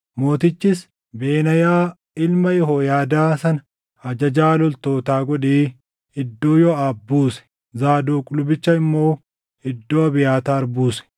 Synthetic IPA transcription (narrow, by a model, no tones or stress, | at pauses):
mo̞ːt̪ɪt͡ʃːɪs | beːnɐjaː | ɪlmɐjɛɦoːjaːd̪aːsɐnɐ | ɐd͡ʒɐd͡ʒaːlɔlt̪o̞ːt̪aːɡɔᶑeː | ɪd̪ːoːjɔaːbːuːsɛ̥ | zaːd̪oːkʼʊlʊbɪt͡ʃːɐɪmːo̞ː | ɪd̪ːoːɐbɪjaːt̪aːɐɾbuːsɛ̥